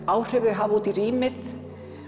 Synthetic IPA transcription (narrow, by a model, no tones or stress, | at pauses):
aːwr̥œɣðɪɦaːvuːt̪iriːmɪθ